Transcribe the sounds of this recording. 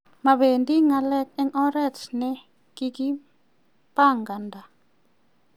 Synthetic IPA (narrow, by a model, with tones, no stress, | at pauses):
ma˨βe˨ndi˦ŋa˧lɛ˦k̚ɛ˦ŋʔɔ˦ɾɛt͡ʃnɛ | kiki˦ | paŋɡa˨nda˨